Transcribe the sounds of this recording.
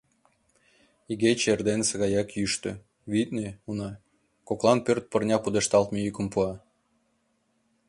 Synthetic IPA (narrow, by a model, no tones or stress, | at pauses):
iɣet͡ɕerd̪ensəɣɑjɑkjyʃt̪ø̰̆ | βit̪̚neunɑ | koklˠɑnpørt̪̚pərnʲɑpud̪eʃt̪ɑlt̪mejykəmpuɑ